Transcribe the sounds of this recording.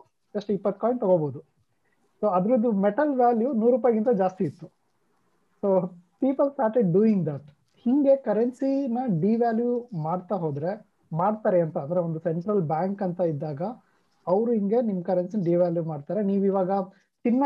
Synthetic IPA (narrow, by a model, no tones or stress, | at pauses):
d͡ʒɐsʂʈipːɐt̪ːkoːjɳʈ̚t̪ɐɡoboːd̪u | soːɐd̪ɾud̪umeʈɐlʋjaːljunuːɾːuːp̬aːjɐɡint̪ɐd͡ʒaːst̪iːt̪ːu | soːpiːpɐlsʈaːɾʈeɖɖuiŋɡd̪ɐʈ | hiŋɡe̞kɐɾensinɐɖiʋaːljumaːɖt̪aɦoːd̪ɾe̞ | maːɖt̪aːɾeɐnt̪ɐɐnd̪ɐɾeond̪useɳʈɾɐlbaːŋkɐnt̪ɐid̪ːaːɡɐ | ɐʋɾuɦiŋɡe̞nimːɐkɐɾensinɐɖiːʋaːljumaːɖt̪aːɾeniːʋiːʋaːɡɐ | t͡ʃinːɐ